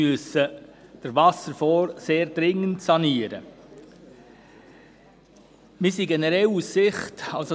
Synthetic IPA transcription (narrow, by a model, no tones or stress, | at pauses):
yəsəd̥əɾvɑsəɾfɔːɾseːɾdɾɪŋəntsɑniːəɾə | mɪsiɡɛnəɾɛlussɪχtɑlso